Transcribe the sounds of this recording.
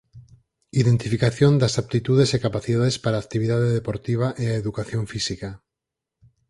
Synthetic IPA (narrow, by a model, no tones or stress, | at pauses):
iðent̪ifikaθjond̪asap̚t̪it̪uðesekapaθiðaðespaɾaːk̚t̪iβiðaðeðepoɾt̪iβ̞aʔeaeðukaθjoɱfisika